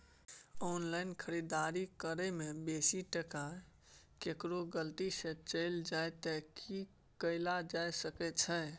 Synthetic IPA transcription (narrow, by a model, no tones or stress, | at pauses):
ɔnlaɪnkʰəɾid̪aɾikəɾəmebesiʈəka | kekɾoɡəlt̪isə̃t͡ʃəɪld͡ʒajt̪əki | kəɪlad͡ʒajsəkɛt͡ʃʰə̃